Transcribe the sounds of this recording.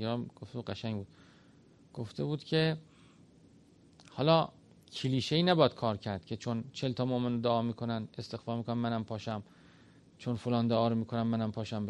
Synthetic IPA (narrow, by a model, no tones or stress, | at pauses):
eɾɒmɡ̥oft̪eud̪ɢæʃæŋɡbuːd̪̥ | ɡ̥oft̪ʰe̞buːd̪̥cʲʰe̞ | hɒːlɒː | cʰiliːʃeiːnæbɒd̪̚kʰɒːɾcʰæɾd̪̥cʰe̞t͡ʃʰont͡ʃʰelt̪ʰɒːmoʔmenod̪oɒːmiːkʰo̞nænest̪e̞xfɒːɾmiːkʰonænmænæmpʰɒːʃæm | t͡ʃʰonfolɒːnd̪ɒʔɒːɾomiːkʰonæmːænæmpʰɒːʃæmb